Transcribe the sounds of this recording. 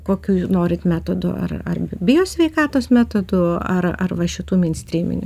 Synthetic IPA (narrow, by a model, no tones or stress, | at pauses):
koːkʲuːnoːɾʲɪt̪mʲæːt̪od̪ʊ̰ɐ̰rɐ̰rbʲɪjoːsʲʋʲɛɪkɑːt̪oːsmʲæːt̪od̪ʊɐrɐ̰rʋɐʃʲɪt̪uːmʲɪnʲsʲt̪ʲɾʲiːmʲɪ̰nʲʊ̰